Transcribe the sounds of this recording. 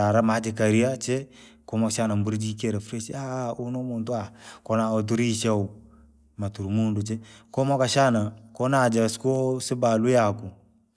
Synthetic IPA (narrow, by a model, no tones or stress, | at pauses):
aɾamad͡ʒɪkaɾiat͡ʃɛ | kɔmɔkʃanambuɾd͡ʒikeɾefɾet͡ʃaunumʊntuakɔnaot̬uɾiʃa | matuɾmundut͡ʃɛkɔmɔkaʃanakɔnad͡ʒaskosɪbalujakʊ